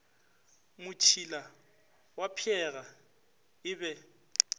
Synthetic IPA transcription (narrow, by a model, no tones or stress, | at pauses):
mʊt͡ʃʰila | wapʰɛɣa | ɪbɛ